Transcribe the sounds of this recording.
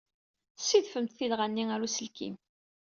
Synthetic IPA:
sːiðfəmt̪θilʁanːiæɾusəlkḭm

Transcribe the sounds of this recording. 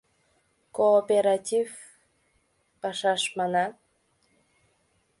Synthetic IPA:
koːpeɾatʲiv | pɑʃɑʃmɑnɑ

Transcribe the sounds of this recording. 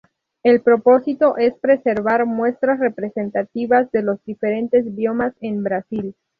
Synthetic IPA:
e̞lpɾo̞po̞sit̪o̞ʔe̞spɾe̞se̞ɾβaɾmwe̞st̪ɾasre̞pɾe̞se̞nt̪at̪iβazðe̞lo̞zd̪ife̞ɾe̞nt̪e̞zbjo̞mase̞mbɾasil

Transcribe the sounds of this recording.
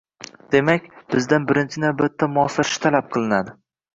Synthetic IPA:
d̪̥e̞makʲbɪzd̪anbɪɾɪnt͡ʃʰɪnabɪt̪ʰːamʊɒfɪɾʃɪ̥t̪ʰalap̚qʰɨlˠɪnad̪ɪ

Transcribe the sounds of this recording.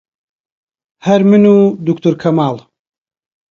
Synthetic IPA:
hɐɾmɨnuːd̪ukt̪uɾkʰɐmaːl

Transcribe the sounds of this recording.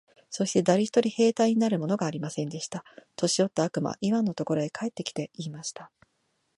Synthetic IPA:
so̞ɕi̥t̪e̞d̪aɾʲiçʲi̥t̪o̞ɾʲihe̞ːt̪aiɲ̟inaɾɯ̟mo̞no̞ɡaːɾʲimasẽ̞nd̪e̞ɕi̥t̪at̪o̞ɕio̞t̪ːaːkɯ̟ma̰ʔiβãnːo̞t̪o̞ko̞ɾo̞ekʰae̞t̪ːe̞kʲi̥t̪e̞iːmaɕi̥t̪a

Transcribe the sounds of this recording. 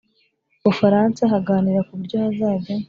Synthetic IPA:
βufaɾaːnsaɦaɡaːniɾakubɟoazaːbo

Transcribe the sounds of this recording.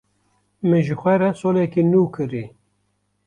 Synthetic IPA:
mɨnʒɨxʷɛɾɛsolɛkinuːkʰɨɾi

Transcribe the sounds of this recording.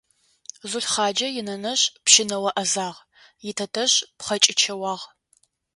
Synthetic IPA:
zʊɬχɑːd͡ʒɐjɪnɐnɐɕpʃɪnɐwɐʔɐzaːʁ | jɪtʰɐtʰɐɕpχɐt͡ʃʼɪt͡ʃʰɐwɑːʁ

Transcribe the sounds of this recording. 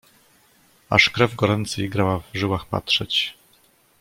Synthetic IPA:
a̰ʂkɾɛvɡɔɾɛnt̪sɛjɡɾawavʐɘwaxpa̰tʂɛt͡ɕ

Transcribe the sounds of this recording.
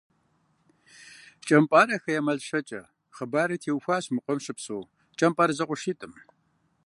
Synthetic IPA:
t͡ʃʼɐmpʼaːɾɐxɐjamɐɮʃɐt͡ʃʼɐ | χəbaːɾɨtʰeːwxʷaːɕmɨqʷʼɔmʃɪpsʼoː | t͡ʃʼɐmpʼaːɾɐzɐqʷʊʃiːtʼɨm

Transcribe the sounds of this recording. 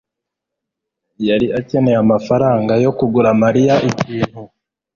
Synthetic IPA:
jaɾiace̞ne̞amafaɾaːŋɡajo̞kuɡuɾamaɾijaʔiciːn̥hu

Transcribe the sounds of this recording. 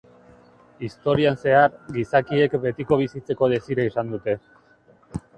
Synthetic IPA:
ist̪o̞ɾianse̞aɾɡisakie̞kbe̞t̪iko̞β̞isit͡se̞ko̞ð̞e̞siɾaisand̪ut̪e̞

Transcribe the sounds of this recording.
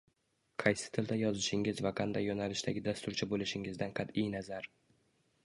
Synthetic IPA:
qʰɑjsɪ̥t̪ʰɪld̪ajɒzɪʃɪŋɪzvaqʰɑnd̪ajːonalɪʃt̪aɡʲɪd̪ast̪ʊɾt͡ʃʰɪbolɪʃɪŋɪzd̪anqʰɑt̪ɪjnazaɾ

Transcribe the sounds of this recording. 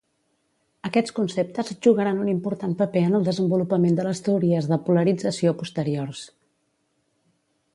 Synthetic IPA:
əkɛt͡skunsep̚t̪əzʒuɣəɾanunimpuɾt̪anpəpeənəlˠd̪əzəmbulupəmend̪ələst̪əuɾiəzðəpuləɾid͡zəsiopust̪əɾiors

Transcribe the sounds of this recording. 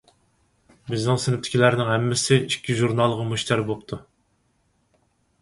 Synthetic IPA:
bɪznɪŋsɪnɪpt̪ʰɪ̥kʲʰilæɾnɪŋhɛmːɪsɪikʲʰːiʒuɾnɑlˠʁɑmuʃt̪ʰæɾbop̚t̪ʰu

